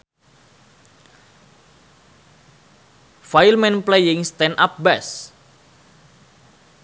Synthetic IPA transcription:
fajlmɛnplejɪŋst̪ɛna̰p̚bɛs

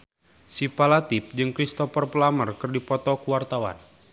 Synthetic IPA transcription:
sipalat̪ip̚d͡ʒɨŋkɾist̪ɔpɔrpəlamərkɨrdipɔt̪ɔkuwart̪awa̰n

